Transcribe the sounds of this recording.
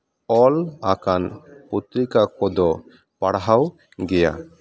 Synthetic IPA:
ɔlakanput̪ɾikakɔd̪ɔ | paɽɦaw | ɡɛja̰

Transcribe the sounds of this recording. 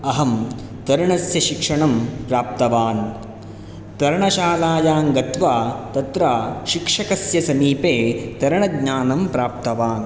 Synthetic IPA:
ɐɦɐm | t̪ɐɾɐɳɐsjɐʃikʂɐɳɐmpɾaːp̚t̪ɐʋaːn | t̪ɐɾɐɳɐʃaːlaːjaːŋɡɐt̪ʋaːt̪ɐt̪ɾaːʃikʂɐkɐsjɐsɐmiːpeːt̪ɐɾɐɳɐɡɲaːnɐmpɾaːp̚t̪ɐʋaːn

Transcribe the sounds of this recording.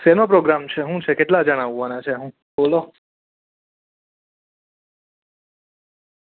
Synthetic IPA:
senopɾoɡɾamt͡ʃʰeɦũt͡ʃʰekeʈlad͡ʒəɽ̃aʋːanat͡ʃʰeɦũ | bolo

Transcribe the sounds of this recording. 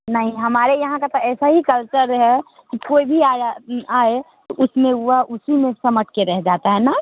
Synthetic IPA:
nɐɦĩɦɐmaːɾejɐɦãkat̪oɛːsaɦikəlt͡ʃəɾɦɛ | kikoːibʱiaaːe | t̪oʔʊsmẽuaʔʊsimẽsɐməʈ̚ʰkeɾɛɦd͡ʒaːt̪aɦɛna

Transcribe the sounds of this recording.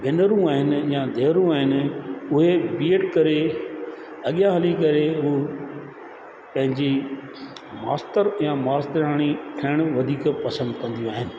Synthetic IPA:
ʋɪnəɾũaːɦɪnɪ̆jãd̪ʱeːɾũaːɦɪnɪ̆ʊɦebiːəʈkɐɾe | ɐɠjãɦɐlikɐɾeɦu | pɐ̃ɦɪ̃ɲd͡ʑi | maːsʈəɾjãmaːst̪əɾaːɽ̃iʈʰɐɪɽ̃ʊʋɐd̪ʱiːkpɐsə̃nd̪kɐ̃nd̪ijũaːɦɪnɪ̆

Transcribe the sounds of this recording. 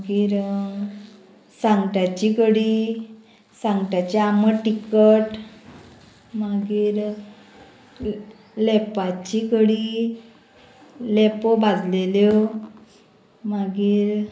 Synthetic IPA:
ɡiːɾ | sãŋɡʈat͡ɕikəɽiː | saŋɡʈjat͡ɕeaməʈikəʈ | maɡiːɾ | lɛpat͡ɕikəɽi | lɛpobad͡zʱleljo | maɡiːɾ

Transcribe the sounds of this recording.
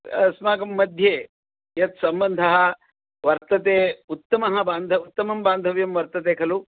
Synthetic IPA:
ɐsmaːɡɐmːɐd̪ʱjeː | jɐt̪sɐmbɐnd̪ʱɐɦɐ̆ | ʋɐɾt̪ɐt̪eːut̪ːɐmɐɦɐ̆baːnd̪ʱɐut̪ːɐmɐmbaːnd̪ʱɐʋjɐmʋɐɾt̪ɐt̪̬eːkʰɐlu

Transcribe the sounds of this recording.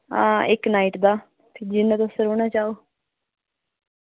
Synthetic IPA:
ãːɪknaːiʈd̪aː | p̪ʰɪd͡ʒɪnːat̪osəɾoːɳ̃aːt͡ʃaːoː

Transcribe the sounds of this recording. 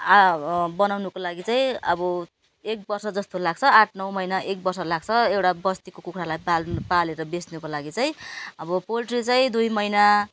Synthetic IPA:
abʌnawnukolaɡit͡saĩʌbʌ | ek̚bʌrsʌd͡zʌst̪olaɡ̚t͡sʰʌaʈʰnʌwmʌjnaʔek̚bʌrsʌlaɡ̚t͡sʰʌewʈabʌst̪ikokukɾalajpalpaleɾʌbesnukolaɡit͡saj̃ʌbʌpolʈrit͡sʌĩd̪ujmʌjna

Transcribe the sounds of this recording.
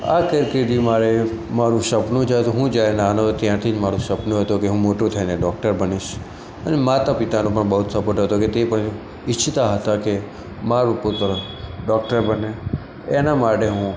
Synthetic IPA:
a̰kəɾked̪imaɾe | maɾũʃəpnũd͡ʒat̪oɦũd͡ʒjaɾenanot̪jãt̪ʰid͡ʒmaɾũʃəpnũɦət̪okeɦũmoʈũt̪ʰəineɖɔk̚ʈəɾbəniʃ | ənemat̪apɪt̪anũpəɳbəɦut̪səpəʈɦət̪oket̪epəɳ | ɪt͡ʃʰːit̪aɦət̪ake | maɾupʊt̪əɾə | ɖɔkʈəɾbəne | enamaʈeɦũ

